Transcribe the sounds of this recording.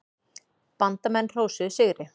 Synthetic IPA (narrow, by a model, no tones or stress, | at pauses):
pant̪amɛnːr̥owsʏsɪɣɾɪ